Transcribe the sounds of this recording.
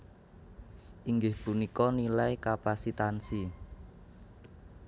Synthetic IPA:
ʔiŋɡɪhpunikɔnilajkapasit̪ansi

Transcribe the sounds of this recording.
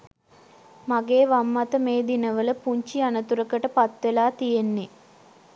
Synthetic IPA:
maɡeːʋamːat̪əmeːd̪inəʋələpuɲt͡ʃianət̪uɾəkəʈəpat̪ʋelaːt̪ijenːe

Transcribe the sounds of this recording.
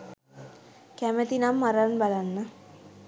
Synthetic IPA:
kæmət̪inamːaɾanbalanːə

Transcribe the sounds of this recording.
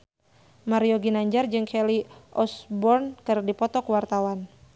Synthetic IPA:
maɾiɔɡinaɲd͡ʒard͡ʒɨŋkʰɛliʔɔsbɔrnkɨrdipɔt̪ɔkuwart̪awan

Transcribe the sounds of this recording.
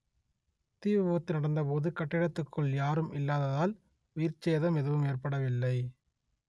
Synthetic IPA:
t̪iːʋɐʋoɐt̪ːɯnɐɽɐnd̪ɐpoːðɯkɐʈːɪɽɐt̪ːɯkʰːɯɭjaːɾɯmɪlːaːðɐðaːl | ʊjɪɾt͡ʃeːðɐmɛðɯʋɯmeːrpɐɽɐʋɪlːɐɪ

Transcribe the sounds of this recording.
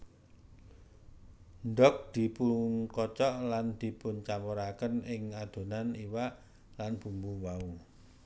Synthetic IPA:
nɖɔk̚d̪̥i̤puŋkɔt͡ʃɔʔland̪̥i̤pʊnt͡ʃampoɾakənɪŋad̪̥o̤naniwaʔ | lanb̥ṳmbuwauŋ

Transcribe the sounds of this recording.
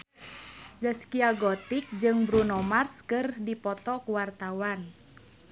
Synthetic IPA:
d͡ʒəskiaɡɔt̪ik̚d͡ʒɨŋbɾunɔmarskɨrdipɔt̪ɔkuwart̪awan

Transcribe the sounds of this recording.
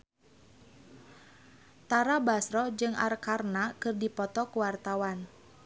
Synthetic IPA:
t̪aɾabasɾɔd͡ʒɨŋʔa̰rkarnakɨrdipɔt̪ɔkuwart̪awan

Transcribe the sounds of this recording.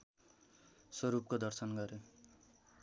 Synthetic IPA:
swʌɾup̚kod̪ʌrsʌnɡʌɾjo

